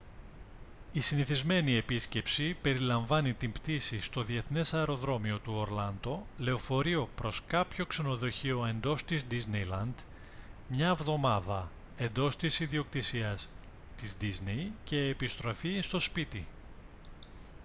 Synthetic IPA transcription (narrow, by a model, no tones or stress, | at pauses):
isiniθizme̞nie̞pisce̞psipe̞ɾilɐɱvɐnit̪imbt̪isist̪o̞ðie̞θne̞sɐeɾo̞ðɾo̞mio̞t̪uo̞ɾlɐnd̪o̞le̞o̞fo̞ɾio̞pɾo̞skɐpço̞kse̞no̞ðo̞çio̞e̞nd̪o̞st̪izd̪iznejlɐnd̪ | mɲɐvðo̞mɐðɐ | e̞nd̪o̞st̪isiðio̞kt̪isiɐs | t̪izd̪izne̞jce̞ːpist̪ɾo̞fist̪o̞spit̪i